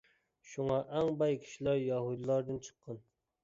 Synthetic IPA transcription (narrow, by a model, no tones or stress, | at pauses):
ʃuŋɑʔɛŋbɑjkʲʰi̥ʃilæɾjɑɦud̪ɨlˠɑɾd̪ɨnt͡ʃʰə̥qʰːɑn